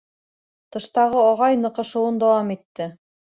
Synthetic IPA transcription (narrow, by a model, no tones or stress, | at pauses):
t̪ɤ̆ʃt̪ɑʁɤɑʁɑjnɤ̆qɤ̆ʃɤ̆wɤnd̪ɑwɑmit̪ːɘ